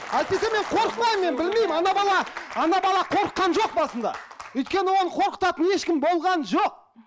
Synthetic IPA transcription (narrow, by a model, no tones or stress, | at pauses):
æjt̪̚pe̞seme̞ɴqʰo̞ɾəqmɑjəmːe̞nbɪlme̞jmɑnɑbɑlˠɑɑnɑbɑlˠɑqʰo̞ɾəqːɑnʒo̞q̚bɑsənd̪ɑ̰wɵjt̪̚kʲe̞nɪwo̞nəqʰo̞ɾqə̥t̪ɑt̪əne̞ʃkʲɪmbo̞lˠʁɑnʒoq̚